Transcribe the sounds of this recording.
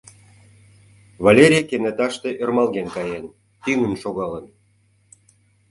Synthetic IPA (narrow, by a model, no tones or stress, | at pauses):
vɑlʲeɾʲijkenet̪ɑʃt̪e̽ʔørmɑlɣenkɑjen | t̪yŋənʃoɣɑlən